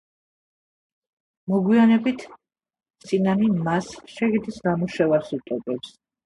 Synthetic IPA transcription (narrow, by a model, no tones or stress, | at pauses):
mɔɡwianɛbit̪ʰ | t̪sʼinanimasʃɛɡid̪isnamuʃɛvaɾsut̪ʼɔpʼɛps